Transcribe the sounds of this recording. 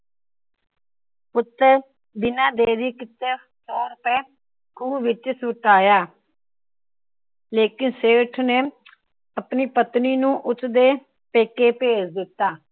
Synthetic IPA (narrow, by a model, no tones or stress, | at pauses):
pʊt̪ːəɾ | b̪ɪnãːd̪eːɾiːkɪt̪ə | sɔːɾʊpɛː | kuːʋɪt͡ʃsʊʈaːjaː | leːkɪnseːʈʰneː | əpniːpət̪niːnũːʔʊt͡ʃd̪eː | peːkeːpeːt͡ʃd̪ɪt̪ːaː